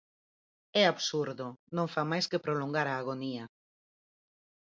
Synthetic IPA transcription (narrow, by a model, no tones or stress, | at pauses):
ɛaβsuɾðonõŋfamajskepɾoloŋɡaɾaːɣ̞onia